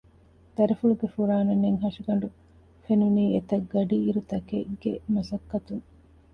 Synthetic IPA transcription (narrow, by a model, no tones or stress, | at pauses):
t̪ɐɾefuluɡefuɾaːnɐneŋɦɐʂiɡɐɳ̆ɖu | fenuniːet̪ɐɡːɐɖiːɾut̪ɐkeɡ̥emɐsɐkːɐt̪uŋ